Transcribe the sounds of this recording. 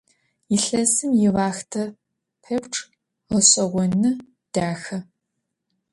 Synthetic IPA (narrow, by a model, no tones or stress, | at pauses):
jɪɬɐsɨmjɪvaːxtʰɐ | pʰɐpʈ͡ʂʰʼ | ʁəɕʼɐʁʷɔnɨ | d̥aːxɐ